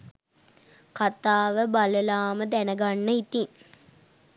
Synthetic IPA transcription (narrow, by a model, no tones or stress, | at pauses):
kat̪aːʋəbaləlaːməd̪ænəɡanːəit̪iŋ